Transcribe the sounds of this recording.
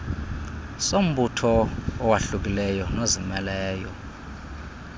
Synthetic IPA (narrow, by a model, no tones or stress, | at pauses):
som̩ɓutʰɔːwaɬuk̬ilɛjɔnozimɛlɛːjɔ̰